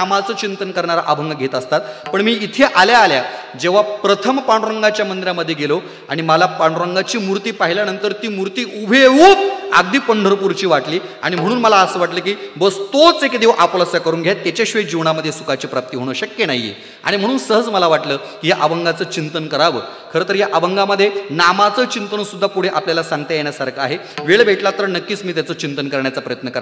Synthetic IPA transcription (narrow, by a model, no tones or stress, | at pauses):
amat͡səːt͡ɕint̪ənkəɾɳaɾa̰ʔabʱəŋɡɡʱet̪əst̪at̪̚pəɳmiːit̪ʰeʔaljaːlja | d͡ʑeʋ̤apɾət̪ʰəmpaɳɾəŋɡat͡ɕjamənd̪ɾjaməd̪ʱːjeɡelo | aɽ̃iməlapaɳ̃ɾəŋɡat͡ɕiːmuɾt̪iːpaɦiljanənt̪əɾt̪iːmuɾt̪iːʔubʱeɦuːp̚aɡd̪iːpəɳɖʱəɾpuɾt͡ɕiːʋaʈliː | a̰ɽ̃im̤əɽ̃uːnməlaəsəːʋaʈləːkiːbəst̪ot͡sekd̪eʋʔapləsjakəɾuːnɡʱjat̪ːjat͡ɕaɕʋed͡ʑiʋɳaməd̪ʱːjesukat͡ɕiːpɾap̚t̪iːɦoɽ̃əɕəkjenajːḛ | a̰ɽ̃im̤əɽ̃uːnsəɦəd͡zməlaʋaʈləː | kiːjaʔaʋəŋɡat͡səːt͡ɕint̪ənkəɾaʋəː | kʰəɾet̪əɾjaʔaʋəŋɡaməd̪ʱːjenamat͡səːt͡ɕint̪ənsud̪ʱːapuɽ̤eʔapljalasãŋɡt̪ejeɽjasaɾkʰəaɦe | ʋeɭbʱeʈlat̪ːəɾnəkːiːt͡smiːt̪jat͡səːt͡ɕint̪ənkəɾɳjat͡sapɾəjət̪nəkəɾa